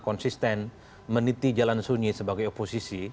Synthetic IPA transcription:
kɔnsist̪ɛn | mənit̪id͡ʒalansuɲisəbaɡajoposisi

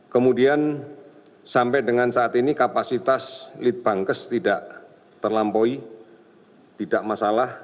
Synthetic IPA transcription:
kəmudian | sampɛdəŋansaːt̪inikapasit̪aslit̪̚b̥aŋkəst̪idaʔ | t̪ərlampoi | t̪idaʔmasalah

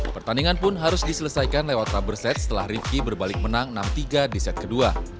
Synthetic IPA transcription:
pərt̪aniŋanpʊnɦaɾʊsdisələsajkanlewat̪ɾabərsɛt̪̚sə̥t̪əla̰hrifkibərbalɪk̚mənaŋnamt̪iɡadisɛt̪̚kədua

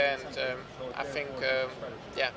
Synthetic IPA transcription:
ɨ̃ndʌm | ʔa̰ɪθɪ̃ŋkʌm | jæ

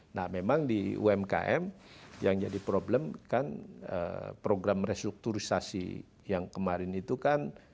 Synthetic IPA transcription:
nahmemaŋdiṵɛmka̰ʔɛ̰mjaŋd͡ʒadipɾoblɛmkanə̰pɾoɡɾamrest̪ɾuk̚t̪uɾisasḭ | jaŋkəmaɾɪnit̪ukan

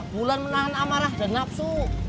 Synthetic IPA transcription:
b̥ulanmənaɦanamaɾahd̪a̤nap̚su

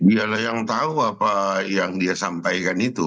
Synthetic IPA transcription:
bialahjaŋt̪auapajaŋdiasampajkanit̪u

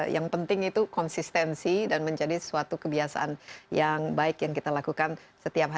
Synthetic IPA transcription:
jaŋpənt̪ɪŋit̪ukɔnsist̪ɛnsidanməɲd͡ʒadisuat̪ukəbiasa̰ʔa̰njaŋbaɪkjaŋkit̪alakukan | sət̪iap̚ɦa

